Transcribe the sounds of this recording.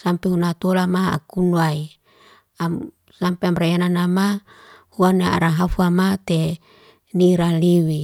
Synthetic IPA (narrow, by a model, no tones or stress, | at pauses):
sampeunat̪olamaa̰kunuai | am | sampeamɾajananama | huanaa̰ɾaɦafuamat̪e | niɾaliwi